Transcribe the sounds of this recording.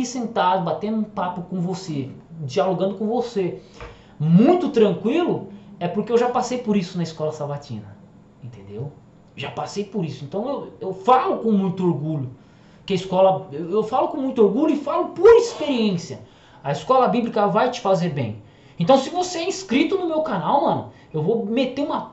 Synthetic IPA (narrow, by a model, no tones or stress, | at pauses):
isẽnt̪ad̪ʊbat̪ẽnd̪ʊũpapʊkõvosed͡ʒialoɡɐ̃nd̪ʊkõvose | mũj̃t̪ʊt̪ɾɐ̃ŋkwilʊɛpʊɾkeewʒapasejpoɾisʊnɐiskɔlɐsavat͡ʃḭ̃nɐ | ẽnt̪ẽnd̪ew | ʒapasejpoɾisʊẽnt̪ɐ̃w̃ewewfalʊkõmũj̃t̪ʊoɾɡuʎʊ | kɪɐiskɔlɐewewfalʊkõmũj̃t̪ʊoɾɡuʎʊɪfalʊpoɾispeɾiẽsiɐ | ɐiskɔlɐbiblikɐvajt͡ʃɪ̥fazeɾbḛ̃j̃ | ẽnt̪ɐ̃w̃sɪvoseɛĩskɾit̪ʊnʊmewkanawmɐ̃nʊ̰ | ewvomet̪eɾũmɐ